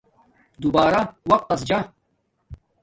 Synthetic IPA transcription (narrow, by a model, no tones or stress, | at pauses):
d̪ubaːɾɐwɐq̚t̪ɐs̬d͡ʒa